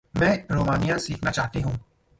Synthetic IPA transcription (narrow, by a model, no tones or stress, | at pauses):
mɛ̃ːɾoːmaːnijãsiːkʰnat͡ʃaːɦt̪eɦũː